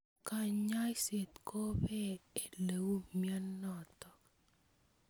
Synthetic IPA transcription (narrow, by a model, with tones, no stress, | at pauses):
ka˨ɲa˦jse˨t̪kʰo˦bɛ˦e˨le˨wu˦mja˦nːɔ˨t̪ɔ˨